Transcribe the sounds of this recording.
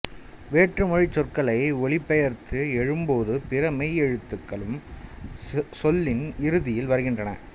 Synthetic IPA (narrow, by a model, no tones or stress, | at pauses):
ʋeːʈrɯmɔɻɪt͡ʃːɔrkɐɭɐɪɔɭɪpːɛjɐɾt̪ʰɯɛɻɯmboːðɯpɪrɐmɐɪɛɻɯt̪ːɯkːɐɭɯm | sɔlːɪnɪɾɯðɪjɪlʋɐɾɯɣɪndrɐnɐ̰